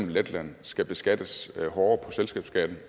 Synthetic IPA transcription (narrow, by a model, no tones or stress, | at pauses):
m̩led̥læn̰sɡ̥æb̥e̝sɡ̥æd̥əshɒːɐpʰɒ̽selsɡ̥ɛ̰ːb̥sɡ̥æd̥n̩